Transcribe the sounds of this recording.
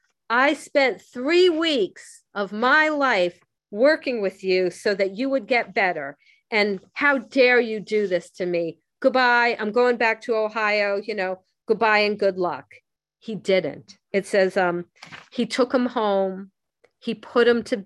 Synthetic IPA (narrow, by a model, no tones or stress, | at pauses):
aɪspɛ̃nθɹiwiks | ʔʌvmaɪlaɪf | wɜ˞kɪ̃ŋwɨðjʉsoʊðɨt͡ʃɨwɨd̚ɡɛt̚b̥ɛɾə˞ | ʔɨ̃nhaʊdɛɹjɨdɨðɪstʰɨmi | ɡ̥ʊd̚baɪãɪ̃mɡoʊɪ̃ŋbæk̚tʰəoʊhaɪoʊjɨnoʊ | ɡ̥ʊd̚baɪɨ̃nɡʊdˡlʌ̰k | hidɪdⁿn̩t | ɨtsɛzʌ̃mitʰʊkə̃mhõʊ̃m | ipʰʊɾɨ̃mtʰɨ